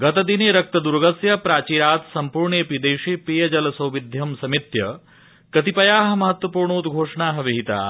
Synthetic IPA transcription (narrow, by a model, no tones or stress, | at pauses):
ɡɐt̪ɐd̪ineːɾɐk̚t̪ɐd̪uɾɡɐsjɐpɾaːt͡ʃiːɾaːt̪sɐmpuːɾɳeːpid̪eːʂeːpiːjɐd͡ʒɐlɐsɐwʋid̪ʱjɐmsɐmit̪jɐ | kɐt̪ipɐjaːɦɐ̆mɐɦɐt̪ʋɐpuːɾɳoːd̪ɡʱoːʂɐɳaːɦɐʋiɦit̪a̰ː